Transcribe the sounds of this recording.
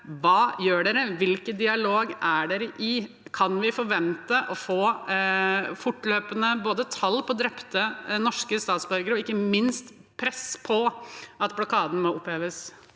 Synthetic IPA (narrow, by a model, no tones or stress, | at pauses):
ʋɑːjøːɖeːɾəʋɪlkəd̪ɪɑloːɡæɖeːɾəʔɪ | kʰɑnʋɪfɔɾʋɛnt̪əʔɔfoː | fʊʈːløːpənəboːd̪ət̪ʰɑlːpʰɔd̪ɾɛpt̪ənɔʂkəst̪ɑːt̪sbœɾɡəɾɔɪkːəmɪnst̪ | pʰɾɛspʰɔɑt̪blʊkʰɑːd̪n̩mɔʊpheːʋəs